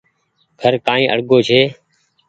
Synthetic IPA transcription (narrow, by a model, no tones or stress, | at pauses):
ɡʱəɾkãːĩːʔə̰ɽɡoːt͡ʃʰeː